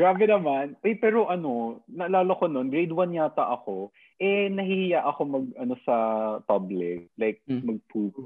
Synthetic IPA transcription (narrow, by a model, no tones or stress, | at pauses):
ɡɾaːbɛnɐmanʔɛjpɛːɾo̞ʔɐno̞nɐʔɐlaːlokono̞nɡɾejd̪wɐnjaːt̪ɐʔɐko̞ | ʔɛnɐhihɪjaʔɐko̞mɐɡ̚ɐno̞sɐpɐblɪk̚lajk̚mɐɡ̚p̪ʰuːk